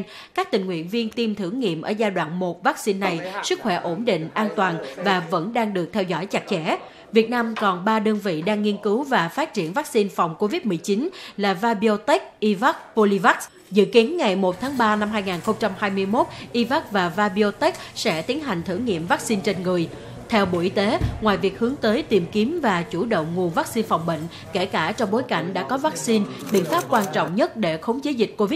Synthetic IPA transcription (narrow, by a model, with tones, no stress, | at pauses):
n | kaː˦˥k̚t̪ï˨˩ŋ̟wḭ˧˨ənvi˧ənt̪i˧mt̪ʰɨ˧˩ŋŋḭ˧˨əmʔəː˧˩zaː˧jɗwa̰ː˧˨nmo˨˩t̚vaː˦˥k̚si˧nːa˨˩jsɨ˦˥k̚xwɛ˧˩ʔo˧˩nɗḭ˧˨ŋ̟ʔaː˧nt̪waː˨˩nvaː˨˩və̰˧˥nɗaː˧ŋɗɨ˨˩ək̚t̪ʰɛ˧wzɔ̰˧˥˩jt͡ɕa˨˩k̚t͡ɕɛ˧˥ | vi˨˩ət̚naː˧mkɔ˨˩nɓaː˧ɗə˧nvḭ˧˨ɗaː˧ŋːi˧ənkɨ˨˦wvaː˨˩faː˦˥t̚t͡ɕi˧˩ənva˦˥k̚si˧nfa˨˩wŋ͡mko˧vi˦˥t̚mɨ˨˩əjt͡ɕi˨˦nlaː˨˩vaː˧ɓi˧o˧t̪e˦˥k̚ʔi˧va˦˥k̚po˧li˧va˦˥k̚ | zɨ̰˧˨ki˨˦ənŋa˨˩jmo˨˩t̚t̪ʰaː˨˦ŋɓaː˧na˧mɦaː˧jŋaː˨˩nxə˧wŋ͡mt͡ɕa˧mhaː˧jmɨ˧əjmo˦˥t̚ʔi˧va˦˥k̚vaː˨˩vaː˧ɓi˧o˧t̪ɛ˦˥k̚sɛ̰˧˥t̪i˨˦ənɦa˨˩jŋ̟t̪ʰɨ̰˧˩ŋḭ˧˨əmvaː˦˥k̚si˧nt͡ɕe˧nŋɨ˨˩əj | t̪ʰɛ˧wɓo̰˧˩ʔi˧t̪e˨˦ŋwaː˨˩jvi˨˩ək̚hɨ˨˦əŋt̪əː˨˦jt̪i˨˩mki˨˦əmvaː˨˩t͡ɕu˧˩ɗə̰˧˨wŋ͡mŋu˨˩vaː˦˥k̚si˧nfa˨˩wŋ͡mɓə̰˧˨ŋ̟ | ke˧˩kaː˧˩t͡ɕɔ˧wŋ͡mɓo˨˦jka̰˧˩jŋ̟ɗa̰ː˧˥kɔ˨˦vaː˦˥k̚si˧nɓḭ˧˨ənfaː˦˥p̚kwaː˧nt͡ɕɔ̰˧˨wŋ͡mɲə˦˥t̚ɗe˧˩xə˨˦wŋ͡mze˨˦zï˨˩k̟̚ko˧vi˦˥